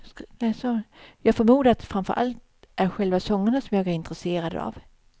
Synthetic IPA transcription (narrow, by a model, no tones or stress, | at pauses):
lɛsɔjɑːɡfɔːɾmuːd̪at̪fɾanfœ̰ɾʔa̰lt̪̚ | ʔæɾɧɛlvasɔŋːəɳasɔmjɑːɡæɾɪnt̪ɾɛseːɾad̪a̰v